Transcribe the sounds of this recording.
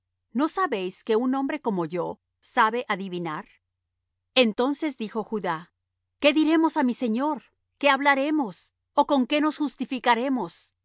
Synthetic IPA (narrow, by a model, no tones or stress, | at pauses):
no̞saβe̞jske̞unõ̞mbɾe̞ko̞mo̞ʝo̞ | saβe̞ʔaðiβinaɾ | e̞nt̪o̞nse̞zðixo̞xuða | ke̞ðiɾe̞mo̞samise̞ɲo̞ɾ | ke̞aβlaɾe̞mo̞s | oko̞ŋke̞no̞sxust̪ifikaɾe̞mo̞s